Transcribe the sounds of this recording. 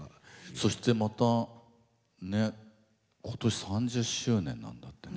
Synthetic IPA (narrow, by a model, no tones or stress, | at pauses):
so̞ɕi̥t̪e̞mat̪a | ne̞ | kʰo̞̥t̪o̞ɕi̥sãɲ̟d͡ʑɨɕɨːnẽ̞nːã̰nd̪at̪ːen